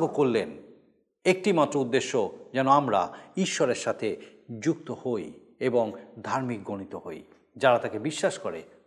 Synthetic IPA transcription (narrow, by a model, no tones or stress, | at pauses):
ɡokoɾlen | ek̚ʈimat̪ːɾoud̪ːeʃːod͡ʑɛnoamɾa̰iʃːɔɾeɾʃat̪ʰed͡ʑuk̚t̪ohoj | eboŋd̪ʱaɾmikɡoñit̪oɦo̰j | d͡ʑaɾat̪akebiʃːaʃkoɾe